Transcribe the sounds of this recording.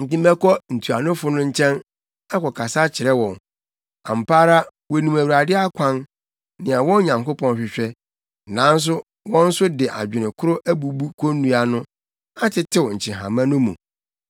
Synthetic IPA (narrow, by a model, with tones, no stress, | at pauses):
n̩˨tĩ˦mɛ˦kʰɔ˦n̩˨tʰu˨a˨nʊ̃˦fʊ˦nʊ̃˦ɲ̩˦t͡ɕʰɛ̃˦n | a˦kɔ˨kʰa˨sa˦t͡ɕʰɪ˨ɾɛ˦wɔ̃˨n | ã˨m̩˨paː˦ɾa˦ | wɔ˨nũ˨mæ˨wu˨a˨dɪ˦a˦kʷʰã˦n | nɪ̃˨a˨wɔ̃˦ɲã˨ŋko˦pʰɔ̃˦n˦ɕᶣɪ˨ɕᶣɛ˦ | nã˨˦n̩˦s̬ʊ˦ | wɔ̃˦n̩˦sʊ˦dɪ˨ʔa̰˨d͡ʑᶣɪ˨nɪ̃˨kʰʊ˦ɾʊ˦ʔæ˦bu˨bu˦kʰo˦nũ˦a˨nʊ̃˦ | a˦tʰɪ˦tʰɪ˦wʊ˨ɲ̩˨t͡ɕʰɪ̃˨ɦã̰˨mã˦nʊ̃˦mṵ̃˨